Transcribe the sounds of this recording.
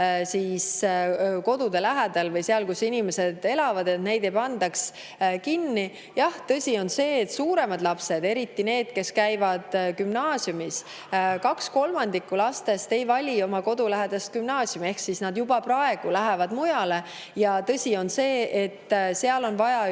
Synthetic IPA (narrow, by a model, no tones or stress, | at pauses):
siːs | ko̞d̪̥ud̪̥e̞læɦæd̪̥ɑlvɤjseɑlkusinime̞se̞d̪̥e̞lɑvɑd̪e̞t̪ne̞jd̪̥ejpɑnd̪̥ɑks | kinːi | jɑht̪ɤsʲio̞nse̞ːt̪ːsuːɾe̞mɑd̪̥lɑpse̞d̪e̞ɾit̪ːine̞ːd̪̥ke̞skæjvɑd̪̥kymnɑːsjumis | kɑksko̞lmɑnd̪ikːulɑst̪e̞st̪e̞jvɑlʲio̞mɑko̞d̪ulæɦed̪̥ɑst̪̚kymnɑːsjumie̞hksisnɑd̪̥jubɑprɑe̞ɡ̥ulæɦevɑd̪̥mujɑle̞ | jɑt̪ɤsʲio̞nse̞ːʔet̪ːseɑlo̞nvɑjɑ